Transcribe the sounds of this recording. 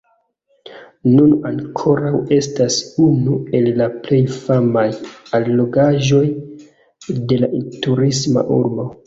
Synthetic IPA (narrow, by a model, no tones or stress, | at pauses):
nunaŋkʰo̞ɾawe̞stasunue̞lːaple̞jfamajalːo̞ɡaʒo̞j | de̞laʔintuɾisma̰ʔuɾbo̞